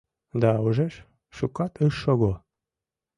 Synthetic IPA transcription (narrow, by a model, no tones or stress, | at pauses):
d̪ɑuʒeʃ | ʃukɑt̪ʰəʃʃoɣo